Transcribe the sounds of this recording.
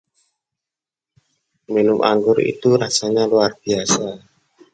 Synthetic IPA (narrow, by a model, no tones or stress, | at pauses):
minʊmʔa̰ŋɡʊrḭt̪uɾasaɲaluarb̥iasa